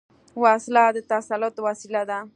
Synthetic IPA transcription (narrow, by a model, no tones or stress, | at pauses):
waslad̪ɪt̪asalot̪wasilad̪a